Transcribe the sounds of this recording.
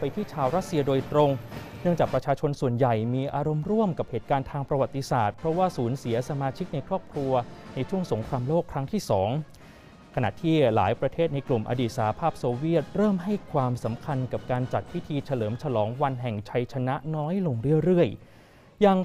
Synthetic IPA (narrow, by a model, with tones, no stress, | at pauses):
pa˧jt̪ʰiː˥˩t͡ɕʰaː˧wɾa˦˥t̪̚si˧ɐdoː˧jt̪ɾo˧ŋnɯ˥˩əŋt͡ɕaː˨˩k̚pɾa˧t͡ɕʰaː˧t͡ɕʰo˧nsu˨˩ənja˨˩jmiː˧ʔaː˧ɾo˧mɾu˥˩əmka˨˩p̚heː˨˩t̪̚kaː˧nt̪ʰaː˧ŋpɾa˧wa˨˩t̪ːi˧saː˨˩t̪̚pʰɾɔ˦˥waː˥˩suː˩˦nsi˩˦ɐsa˧maː˧t͡ɕʰi˦˥k̚na˧jkʰɾɔː˥˩p̚kʰɾu˧ɐna˧jt͡ɕʰu˥˩əŋso˩˦ŋkʰɾaː˧mloː˥˩kʰːɾa˦˥ŋt̪ʰiː˥˩sɔː˩˦ŋ | kʰa˧na̰˨˩t̪ʰiː˥˩la̰ː˩˦jpɾa˧t̪ʰeː˥˩t̪̚na˧jklu˨˩mʔa̰˧diː˨˩t̪̚sa˧ha˧pʰaː˥˩p̚soː˧wi˥˩ət̪̚ɾɤː˥˩mɦa˥˩jkʰwaː˧msa˩˦mkʰa˧nka˨˩p̚kaː˧nt͡ɕa˨˩t̪̚wi˦˥t̪ʰiː˧t͡ɕʰa˧lɤː˩˦mt͡ɕʰa˧lɔː˩˦ŋwa˧nɦɛ˨˩ŋt͡ɕʰa˧jt͡ɕʰa˧na˦˥nɔː˦˥jlo˧ŋɾɯ˥˩əɾɯ˥˩əj | ja˧ŋ